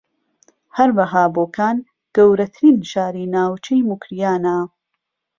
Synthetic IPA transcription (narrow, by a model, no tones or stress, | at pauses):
hɐɾwɐɦaːboːkʰaːn | ɡ̥ɐwɾɐt̪ʰɨɾiːnʃaːɾiːnaːwt͡ʃʰejmukɾijaːna